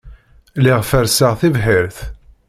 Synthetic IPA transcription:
lɪʁfəɾsəʁθivɦɪɾθ

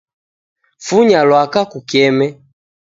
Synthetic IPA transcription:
fuɲalwakakukɛmɛ

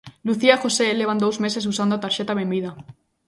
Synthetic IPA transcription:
luθiaxoseleβand̪owzmeses̬usand̪oat̪aɾʃet̪aβembiða

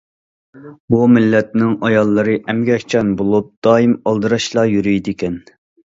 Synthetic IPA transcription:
bumɪlːɛt̪nɪŋɑjɑlˠːɨɾɨʔɛmɡʲɛkʲʰt͡ʃʰɛnbolˠup̚d̪̥ɑːimɑlˠd̪ɨɾɑʃlˠɑjyɾyjd̪ɪkʲʰɛn

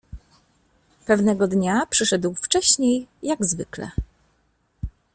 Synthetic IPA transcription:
pɛvnɛɡɔd̪ɲapʂɘʂɛd̪wft͡ʂɛɕɲejːaɡzvɘ̰klɛ̰

